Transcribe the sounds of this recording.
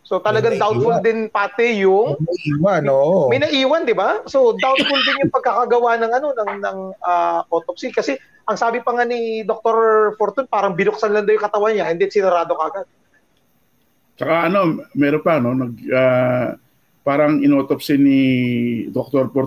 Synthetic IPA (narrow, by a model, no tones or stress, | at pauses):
so̞t̪ɐlɐɡaŋd̪awt̪̚fuld̪ɪnpaːt̪ɛjʊŋɐiːwanoʔomɐjnɐʔiːwɐnd̪ɪbaso̞d̪awt̪̚fʊld̪ɪnjʊŋpɐɡ̚kakɐɡɐwanɐŋɐno̞nɐŋnɐŋʔaʔot̪op̚sikɐsɛ | ʔɐŋsaːbɪpɐŋanid̪ok̚t̪oɾfoɾt̪unpaːɾɐŋbɪnʊk̚sanlɐnd̪ɐjʊŋkɐt̪ɐwanɲahɪnd̪isɪnɐɾaːd̪okɐʔɐɡad̪̚ | t͡ʃɐkaʔɐno̞mɛːɾonpano̞nɐɡ̚a | paːɾɐŋɪnoːt̪opsini | d̪ok̚t̪oɾpoɾ